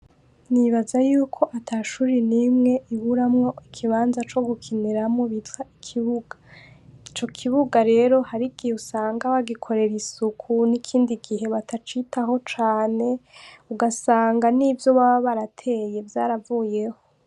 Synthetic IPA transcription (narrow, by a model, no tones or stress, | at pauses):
niβazajuːkʰo̞ʔatʰaʃuːɾinimŋe̞ʔiβuɾamŋo̞ʔikʰiβaːnzat͡ʃo̞ɡukʰiniɾamŋoβitwaikʰiβuɡ̥ait͡ʃo̞kʰiβuɡaɾe̞ɾo̞haɾiɡiusaːŋɡaβaɡikʰo̞ɾe̞ɾisukʰunikʰiːndiɡiɦe̞βatat͡ʃitaɦo̞t͡ʃaːne̞uɡasaːŋɡanivjo̞βaββaɾatʰe̞ːje̞vjaːɾavuje̞ho̞